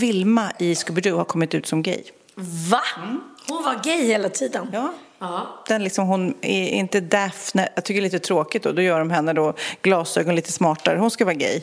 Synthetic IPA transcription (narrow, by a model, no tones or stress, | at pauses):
vɪlmaʔɪskɵbəɖʉːhaɾkʰɔmːɪt̪ʉ̟ːt̪sɔmɡɛ̰j | vahʊnvaɡɛjheːlat̪ʰiːd̪ənjɑː | d̪̥ɛnlɪksɔmɦʊnɛ̰ɪ̰nt̪əd̪æfnɛjɑt̪ʏkəɾɛliːt̪ət̪ʰɾoːkɪt̪̚d̪ɔd̪ɔjœːɖɔmɦɛnːəd̪ɔɡ̥lɑːsøːɡɔnliːt̪əsmɑːʈaɾəhʊnskavɑːɡɛ̰j